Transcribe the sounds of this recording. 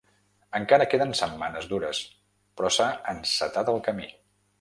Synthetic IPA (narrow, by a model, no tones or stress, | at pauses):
əŋkaɾəkeðənsəmːanəzduɾəs | pɾɔsaənsət̪at̪əlˠkəmi